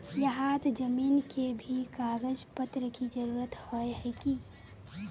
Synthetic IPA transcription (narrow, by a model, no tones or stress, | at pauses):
jɐɦaːt̪d͡ʒəmiːnkʰebʱikaːɡəd͡ʒpət̪ɾəkid͡ʒəɾuːɾət̪hoeɦɛkiː